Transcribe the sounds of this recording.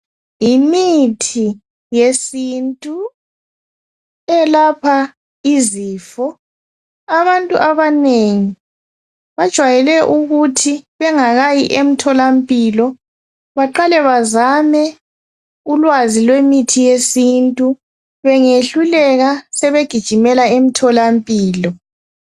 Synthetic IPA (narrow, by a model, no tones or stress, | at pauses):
imitʰi | jesintʼu | ɛlapʰa | iziːfɔ | aβantʼṵʔaβaneŋi | βad̥ʒ̥ʱwajɛlɛʔuɣutʰiβɛŋaɣajiʔem̩tʰɔlampʼilɔ | βaǃalɛβazamɛ | ulwazilwemitʰijesintʼu | βɛŋeɬulɛɣasɛβeɡ̥ʱid̥ʒ̥ʱimɛlaem̩tʰɔlampʼiːlɔ